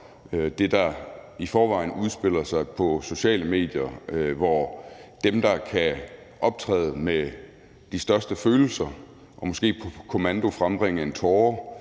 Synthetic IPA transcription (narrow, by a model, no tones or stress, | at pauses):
d̥e̝d̥ɑ̈ifɒːʋɑ̈ɪ̰nuð̞ˠsb̥e̝l̰ɐsɑ̈ɪpʰɒ̽so̝ɕɛ̰ːləme̝̰ːd̥jɐʋɒd̥emd̥ɑ̈kʰæ | ʔɒ̽b̥̚t͡sʰʁɛ̰ːðˠəme | d̥isd̥ɶɐsd̥əføːl̩sɐ | ʔɒ̽mɔ̽sɡ̥e̝̰ːpʰɒ̽kʰo̝mænd̥o̝fʁamb̥ʁeŋ̰əent͡sʰɒː